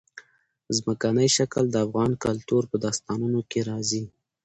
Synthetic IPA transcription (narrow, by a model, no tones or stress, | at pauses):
zməkanəjʃakəld̪əafɣɑnkalt̪uɾpəd̪ɑst̪ɑnunokeɾɑzi